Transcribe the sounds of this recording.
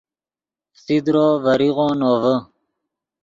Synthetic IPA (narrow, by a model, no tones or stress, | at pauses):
sid̪ɾoːvəɾiʁõːnoːvə